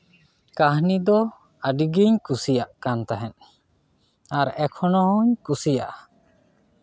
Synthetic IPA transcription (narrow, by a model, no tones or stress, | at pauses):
kaɦnid̪ɔ | aɖiɡiɲkusijaʔkant̪aɦɛn | aɾɛkʰɔnɔhɔɲkusijaʔa